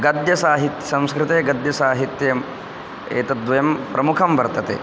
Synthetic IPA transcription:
ɡɐd̪jɐsaːɦit̪jɐ̥sɐ̃m̃skɾɪt̪eːɡɐd̪jɐsaːɦit̪jɐm | ḛːt̪ɐd̪ʋɐjɐmpɾɐmukʰɐmbɐɾt̪ɐt̪ḛː

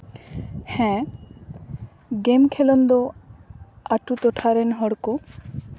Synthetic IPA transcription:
hɛ̃ | ɡemkʰɛlɔnd̪ɔ | aʈut̪ɔʈʰaɾɛnɦɔɽkɔ

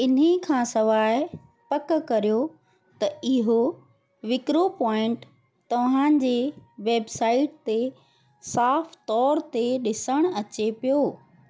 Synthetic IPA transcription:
ɪnikʰãːsɐʋaːɪ | pɐkkɐɾijo | t̪ɐɪɦo | ʋɪkɾopɔːɪ̃ɳʈ | t̪ɐʋ̤ã̆ːd͡ʑeʋeːbsaːɪʈ̚t̪e | saːft̪ɔːɾt̪eɗɪsəɽ̃ɐt͡ɕepijoː

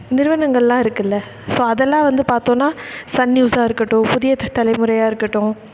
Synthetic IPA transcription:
nɪɾɯʋɐnɐŋɡɐɭlãːɪɾɯkːɯlːɐ | soːɐðɛlːãːʋɐnd̪ɯpaːɾt̪õːnːaːsɐnːjuːsaːɪɾɯkːɐʈːʊ̃pʊðɪjɐt̪ɐlɐɪmɯɾɐjaːɪɾɯkːɐʈːʊ̃

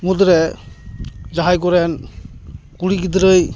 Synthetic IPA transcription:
mudɾe | d͡ʒaɦajkɔɾen | kuɾiɡidɾɯj

